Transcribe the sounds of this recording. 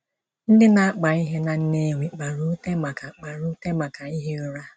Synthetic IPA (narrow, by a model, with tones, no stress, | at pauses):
n̩˦dɪ˦na˨a˦k͡pa˨i˦ɦe˦na˨n̩˦ne˦˨wʷi˨k͡pa˨ɾu˦te˦ma˨ka˨k͡pa˨ɾu˦te˦ma˨ka˨i˦ɦe˦ɾu˦ɾa˦